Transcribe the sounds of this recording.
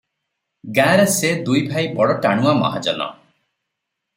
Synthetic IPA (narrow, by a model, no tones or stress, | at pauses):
ɡãɾesed̪ujbʱaibɔɽɔʈaɽ̃uamɔ̰ɦad͡ʒɔnɔ̰